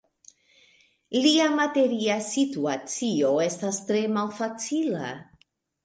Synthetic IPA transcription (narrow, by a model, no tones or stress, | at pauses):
liamate̞ɾiasituat͡sio̞e̞stastɾe̞malfat͡sila̰